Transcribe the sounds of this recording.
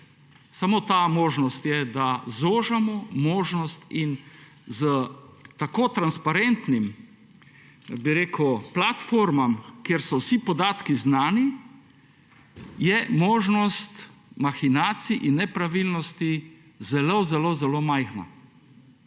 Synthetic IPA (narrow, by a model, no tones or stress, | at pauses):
samoːt̪aːmoːʒnɔst̪jɛd̪azoːʒamɔmoːʒnɔst̪in | zət̪akoːt̪ɾanspaɾent̪nim | biɾeːkʰəwplat̪foɾmamkeːɾsɔwsipɔd̪aːt̪kiznaːni | jɛmoːʒnɔst̪maxinaːt̪siʔinːɛpɾaʋilnɔst̪i | zɛloːzɛloːzɛlomajxnɔ̰